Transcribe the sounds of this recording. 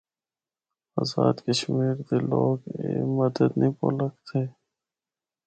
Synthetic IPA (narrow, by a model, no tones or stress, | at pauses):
aːzaːd̪kəʃmiːɾd̪eloːɡeməd̪əd̪nĩːpo̰ləkt̪ʰeː